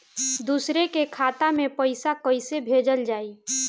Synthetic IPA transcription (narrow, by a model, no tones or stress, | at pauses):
d̪usɾekekʰaːt̪amẽpəɪsakəɪsebʱed͡ʒəld͡ʒaːi